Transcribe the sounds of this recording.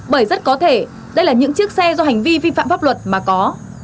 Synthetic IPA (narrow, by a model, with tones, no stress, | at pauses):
ɓəː˧˩jzə˦˥t̚kɔ˨˦t̪ʰe˧˩ | ɗə˧jlaː˨˩ɲɨ̰˧˥ŋt͡ɕɨ˦˥ək̚sɛ˧zɔ˧ɦa˨˩ŋ̟vi˧vi˧fa̰ː˧˨mfaː˦˥p̚lwə˨˩t̚maː˨˩kɔ˨˦